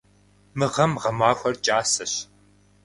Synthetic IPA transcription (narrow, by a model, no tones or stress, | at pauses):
mɨʁɐmʁɐmaːxʷɐrt͡ʃʼaːsɐɕ